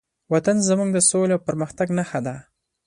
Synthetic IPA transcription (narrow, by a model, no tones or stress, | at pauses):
wat̪anzəmuɡd̪əsoleawpəɾməxt̪aɡnaxad̪a